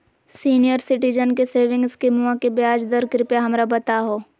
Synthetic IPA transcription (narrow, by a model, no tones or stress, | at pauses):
siːnijəɾsɪʈid͡ʒənkeseːʋɪ̃ŋɡskimuãkebjaːd͡ʒd̪əɾkɾɪpeɦɐmɾabɐt̪aɦoː